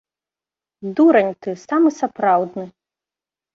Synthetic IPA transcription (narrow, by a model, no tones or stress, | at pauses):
d̪uɾɐnʲt̪ɨsamɨsapɾawd̪nɨ